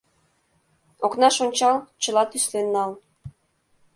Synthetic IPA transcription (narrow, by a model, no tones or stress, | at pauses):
oknɑʃonʲt͡ɕɑlt͡ɕəlɑt̪yslenːɑl